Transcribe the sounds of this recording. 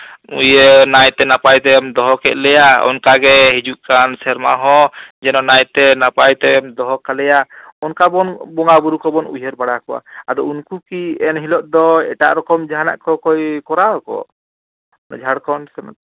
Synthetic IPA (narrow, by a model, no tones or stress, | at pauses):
ṵjənajt̪ɛnapajt̪ɛd̪ɔɦɔkɛt̪̚lɛjaɔ̰nkaɡɛɦid͡ʒuʔkansɛɾmaɦɔ̃d͡ʒɛnɔnajt̪ɛnapajt̪ɛd̪ɔɦɔkalɛjaɔnkabɔnbɔŋabuɾukɔbɔnujəɾbaɽakɔwa̰ad̪ɔunkukiɛnɦilɔʔ̚d̪ɔɛʈa̰ʔɾɔkɔmd͡ʒaɦana̰ʔkɔkɔjkɔɾaɔkɔ̰ | d͡ʒʱaɽkɔnsɛm̰